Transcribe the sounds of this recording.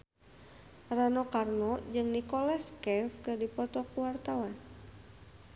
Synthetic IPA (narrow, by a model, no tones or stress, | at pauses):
ranɔkarnɔd͡ʒɨŋnikɔlaskɛfkɨrdipɔt̪ɔkuwart̪awan